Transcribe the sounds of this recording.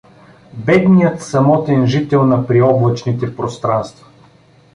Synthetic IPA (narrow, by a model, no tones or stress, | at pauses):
bɛd̪nijət̪sɐmɔt̪ɛnʒit̪ɛlˠnɐpɾiɔblˠɐt͡ʃnit̪ɛpɾost̪ɾanst̪vɐ̥